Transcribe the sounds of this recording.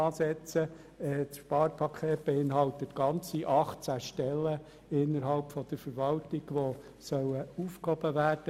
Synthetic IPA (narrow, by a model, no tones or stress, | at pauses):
ɑːsɛt͡sə | ɛːtʃpɑːɾpʰɑkʰeːt̚b̥eɪnɦɑlt̪ət̪ɡ̥ɑnt͡siʔɑχtt͡sæʃtɛlːə | ɪnːəɾɦɑlpfɔd̥̪əɾfəɾʋɑltiɡ̥ʋo | sœwəufkhɔb̥əʋæːrd̥ə